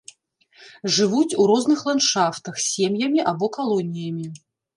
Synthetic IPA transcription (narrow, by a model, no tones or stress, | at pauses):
ʐɨvut͡sʲuɾɔznɨxlˠanʂaft̪ɐxsʲemjɐmʲiʔabɔkalˠɔnʲijɐmʲi